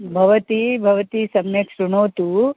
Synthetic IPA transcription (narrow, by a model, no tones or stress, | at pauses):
bʱɐʋɐt̪ibʱɐʋɐt̪isɐmjɐkʂuɳoːt̪u